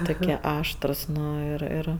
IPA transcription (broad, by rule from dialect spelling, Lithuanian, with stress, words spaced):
ˈtʊkʲiɛ ˈɑːʃtrʊs ˈnʊ ˈɪr ˈɪr